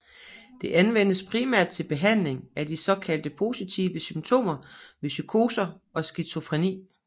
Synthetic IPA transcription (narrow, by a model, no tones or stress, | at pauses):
d̥e̝ʔænʋen̰əspʰʁimæɐ̰d̥̚t͡sʰe̝lb̥e̝ɦæn̰le̝ŋæd̥isɒ̽kʰæl̰d̥əpʰo̝sit͡sʰḭːʋəsymt͡sʰo̝̰ːmɐʋe̝sykʰo̝ːsɐ | ɒ̽sɡ̥isʰo̝fʁinḭː